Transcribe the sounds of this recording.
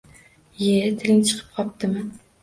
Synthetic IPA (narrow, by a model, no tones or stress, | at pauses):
jet̪ʰɪlɪnʲt͡ʃʰɨ̥qʰɨ̥p̚qʰɒp̚t̪ɪmɪ